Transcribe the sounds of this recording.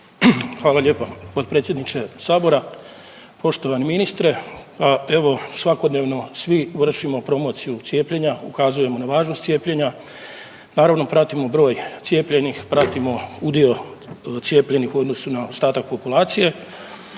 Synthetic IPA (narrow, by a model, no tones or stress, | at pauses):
xʋaːlaʎe̞ːpapo̞d̪̚pɾet̪sje̞d̪nit͡ʃesaːbo̞ɾa | po̞ʃt̪o̞ʋaniminist̪ɾepae̞ʋo̞sʋako̞d̪ne̞ʋno̞sʋiʋr̩ʃimo̞pɾo̞mo̞t̪sijut̪sje̞ːpʎe̞ɲaukazuje̞mo̞naʋaːʒno̞st̪sje̞ːpʎe̞ɲa | naːɾaʋno̞pɾat̪imo̞bɾo̞ːjt̪sje̞ːpʎe̞nixpɾat̪imo̞ud̪io̞t̪sje̞ːpʎe̞nixuo̞d̪no̞sunaost̪aːt̪ak̚po̞pulaːt̪sije̞